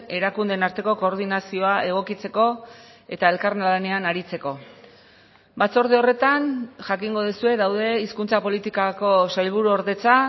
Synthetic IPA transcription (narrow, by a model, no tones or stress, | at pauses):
e̞ɾakund̪enaɾt̪e̞ko̞ko̞ːɾðinasio̞aʔe̞ɣ̞o̞kit͡se̞ko̞e̞t̪ae̞lkaɾnlane̞anaɾit͡se̞ko̞ | bat͡so̞ɾðeo̞re̞t̪anʝakiŋɡo̞ð̞isue̞ðawðe̞iskunt͡sapo̞lit̪ikako̞sajlβ̞uɾuoɾðe̞t͡sa